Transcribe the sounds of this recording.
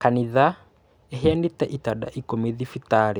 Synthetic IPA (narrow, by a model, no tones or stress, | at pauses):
kaniða | ɛɦɛandit̪ɛʔit̪aɗa̰ʔikɔmiðifit̪aɾɛ